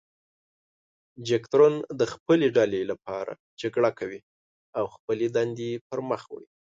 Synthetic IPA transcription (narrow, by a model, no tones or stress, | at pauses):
d͡ʒekt̪ɾond̪əxpəleɖalelapɑɾa̰ | d͡ʒaɡɽakʰawi | awxpəled̪and̪eepəɾməxw̰ɽi